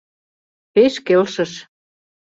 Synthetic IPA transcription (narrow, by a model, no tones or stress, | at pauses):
peʃkelʃə̆ʃ